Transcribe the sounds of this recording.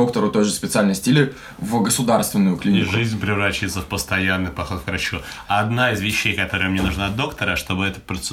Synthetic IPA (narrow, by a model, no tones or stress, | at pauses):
o̞k̚t̪əɾʊt̪ojʐɨspʲɪt̪sɨalʲnəjsʲtʲilʲɪ | vɡəsʊd̪arst̪vʲɪnːʊjʊklʲinʲɪkʐɨzʲnʲpɾʲɪvɾat͡ɕjɪt̪səfpəst̪ɐjanːɨjpɐxo̞t̪kɾɐt͡ɕuːd̪naɪzvʲɪɕːejkɐt̪o̞ɾɨjəmnʲenuʐnaɐd̪̚d̪o̞kt̪əɾəʂt̪o̞bɨɛt̪ə̥pɾət̪s